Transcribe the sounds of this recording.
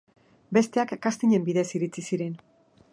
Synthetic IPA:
be̞st̪e̞akːast̪iɲe̞mbiðesiɾit͡sisiɾe̞n

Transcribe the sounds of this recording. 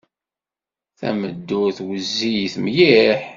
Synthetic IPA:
θæ̰məd̪ːʊɾθwəzːijθmjiħ

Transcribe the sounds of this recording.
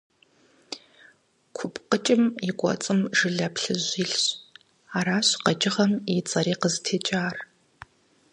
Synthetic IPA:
kʷʰʊpʰʼqət͡ʃʼɪmjɪkʷʼɔ̰t͡sʼɨmʒɨɮɐpɬɨʑʷiːɬɕ | aːɾaːɕqɐt͡ʃʼɪʁɐmit͡sʼɐɾiːqəztʰeːt͡ʃʼaːr

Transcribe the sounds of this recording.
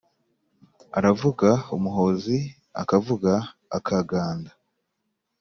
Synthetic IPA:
aɾavuɡaumuɦo̞ːzi | a̰kavuɡa̰ːkaɡaːnda

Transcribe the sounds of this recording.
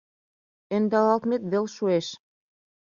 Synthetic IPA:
ĕnd̪ɑlɑlt̪met̪βelʃueʃ

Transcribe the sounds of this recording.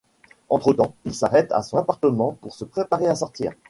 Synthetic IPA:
ɑ̃t̪χət̪ɑ̃ilsaʁɛt̪ʰa̰sɔ̃napaʁt̪əmɑ̃puʁsəpχepaʁeasɔʁt̪ḭːʁ

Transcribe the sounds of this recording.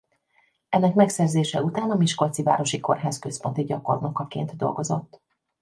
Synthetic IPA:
ɛnːɛkmɛksɛrzeːʃɛut̪aːnɒmiʃko̞lt̪siva̰ːɾo̞ʃiko̞̰rɦaːskø̞spo̞nt̪iɟɒko̞̰rno̞kɒkḛːnt̪d̪o̞̰lɡo̞zo̞̰t̪ː

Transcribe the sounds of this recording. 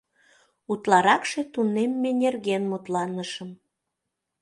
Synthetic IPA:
ut̪lɑɾɑkʃe̽t̪unemːenʲerɣenmut̪lɑnəʃəm

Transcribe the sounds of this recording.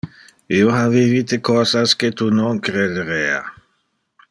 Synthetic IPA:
ioavivit̪ekɔsasket̪unoŋkɾed̪eɾea̰

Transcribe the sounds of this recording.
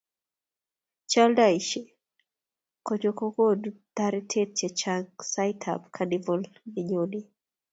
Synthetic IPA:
t͡ʃaldaiʃɛ | kɔd͡ʒɔkɔɡɔdt̪aɾitʰɛt̚t͡ʃɛt͡ʃasajtʰa̰bkʰanivɔlmiɲɔni

